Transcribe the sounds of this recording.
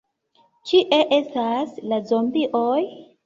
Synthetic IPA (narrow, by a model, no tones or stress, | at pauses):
t͡ʃiʔe̞ʔe̞staslazombiʔoj